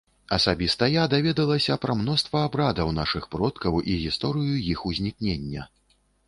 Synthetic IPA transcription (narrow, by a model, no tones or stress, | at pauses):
ɐsabʲist̪ɐjad̪avʲɛd̪ɐlˠɐsʲɐpɾɐmn̪ɔst̪vɐːbɾad̪ɐwnaʂɨxpɾɔt̪kɐwiɣʲist̪ɔɾɨjujixuzʲnʲiknʲenʲːɐ